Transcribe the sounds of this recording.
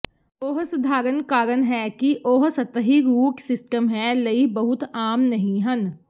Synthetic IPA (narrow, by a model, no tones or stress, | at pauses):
oːɦsʊd̪ʱaːɾənkaːɾənɦɛkiʔoːɦsɐt̪ɦiɾuːksɪsʈəmɦɛlɐiɦbɐɦʊt̪aːmnɐɦĩɦɐn